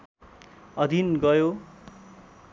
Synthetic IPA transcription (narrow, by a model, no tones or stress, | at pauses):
ʌd̪ʱinɡʌjo